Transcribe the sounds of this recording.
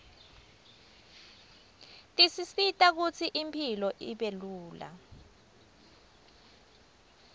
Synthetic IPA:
tʼisisitʼak̬ut͡sʰiʔimpʰilɔʔiɓeluːla̰

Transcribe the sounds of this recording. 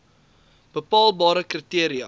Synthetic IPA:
b̥əpɑːlˠbɑːɾəkritiəɾiɐ̰

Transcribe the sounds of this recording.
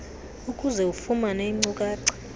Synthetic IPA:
ukʼuzɛufumaneŋ͡ǀukʼaːǀɛ̥

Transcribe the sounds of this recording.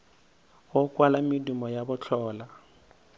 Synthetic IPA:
wɔkwalamidumɔjabʊt͡ɬʰɔːla

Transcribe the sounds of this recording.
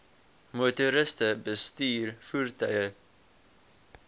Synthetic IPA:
motuɾɪstəbəstyːrfuːrtœɥə

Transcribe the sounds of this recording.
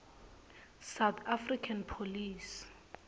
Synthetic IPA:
sawt̪ʰafrikʰanpʰolis

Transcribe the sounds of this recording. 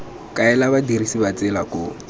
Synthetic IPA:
kʼaɛlabadirisibat͡sɪlakʊ

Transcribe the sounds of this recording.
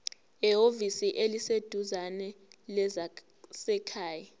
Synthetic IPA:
ɛovisiʔelised̥ʱuzanɛlɛza | sɛkʰaːja

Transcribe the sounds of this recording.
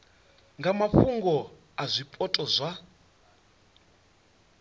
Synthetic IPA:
ŋɡamaɸuŋɡɔ | azʷipʼɔtʼɔzʷa

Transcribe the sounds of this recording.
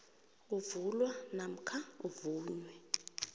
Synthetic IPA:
uvulwanam̩kʰauvuːɲwɛ

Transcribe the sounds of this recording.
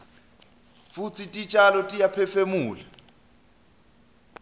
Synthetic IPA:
fut͡sʰitʼit͡ʃʼalɔtʼijapʰɛfemuːla

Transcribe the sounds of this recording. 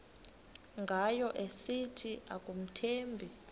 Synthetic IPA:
ŋɡʱajɔʔesitʰiʔakʼum̩tʰeːmbʱi

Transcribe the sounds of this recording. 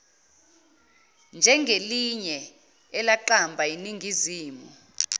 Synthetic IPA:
nd͡ʒʱɛŋɡʱeliɲɛː | laǃambʱajiniŋɡʱiziːmu

